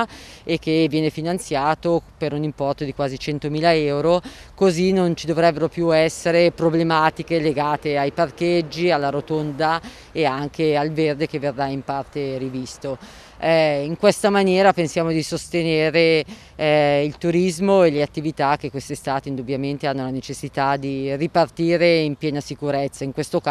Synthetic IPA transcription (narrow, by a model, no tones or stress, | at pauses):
ekːevjɛːnefinant̪sjaːt̪opeɾunimpɔrt̪od̪ikwaːzit͡ʃɛnt̪omiːlaɛwɾokozinont͡ʃid̪ovɾɛbːeɾopjuɛsːeɾepɾoblemaːt̪ikeleɡaːt̪eajparked͡ʒːialːaɾot̪ond̪a | eaŋk̟ealverd̪ekevːerːaimpart̪erivist̪o | iŋkwest̪amanjɛːɾapensjaːmod̪isost̪eneːɾe | ilt̪uɾizmoeleat̪ːivit̪ak̟ːekːwest̪ist̪aːt̪eind̪ubːjament̪eanːolanet͡ʃesːit̪ad̪iripart̪iːɾeimpjɛːnasikuɾɛt̪sːaiŋkwest̪ok